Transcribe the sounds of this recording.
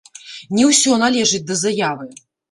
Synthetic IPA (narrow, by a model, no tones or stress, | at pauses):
nʲɛwsʲɔnalʲɛʐɨt͡sʲd̪ɐzajavɨ